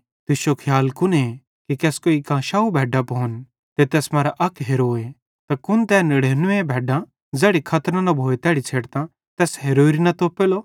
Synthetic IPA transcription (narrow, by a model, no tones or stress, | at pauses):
t̪ɪʃokʰjaːlkʊne | kikɛːskoːikãːʃaːubʱɛːɖapoːn | t̪et̪ɛːsmaːɾaʔɐkɦeɾoːe | t̪akʊnt̪ɛːnɪɽeːnʊʋẽbʱɛːɖã | d͡zɛːɽikʰɐt̪ɾãnɐbʱoːet̪ɛːɽit͡sʰeːɽt̪ã | t̪ɛːsɦeɾoːiɾinɐt̪oːpeːloː